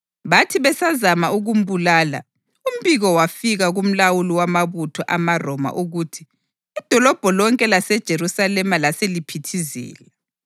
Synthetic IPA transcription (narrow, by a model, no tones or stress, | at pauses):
βatʰiβɛsazamauɣum̩bulaːla̰ | um̩βiɣɔwafiɣaɣum̩lawuliwamaβutʰɔʔamarɔma̰ʔuɣuːtʰi̥ː | d̥ʱɔlɔb̥ʱɔlɔŋkʼɛlasɛd̥ʒ̥ʱeɾusalɛmalaselipʰitʰizɛ̰ːlɛ